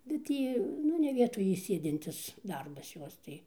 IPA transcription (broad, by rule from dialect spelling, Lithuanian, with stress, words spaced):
ˈbʲɛt tʲiː ˈnʊ nʲɛ ˈʋʲiɛtoːj iː ˈsʲeːdʲɪnʲtʲɪs ˈdɐrbɐs ˈjoːs tɐɪ